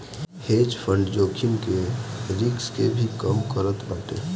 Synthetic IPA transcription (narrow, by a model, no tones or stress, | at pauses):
heːd͡ʒpʰə̃ɳɖd͡ʒoːkʰɪmkeɾɪɡskebʱikəmkəɾət̪baːʈḛː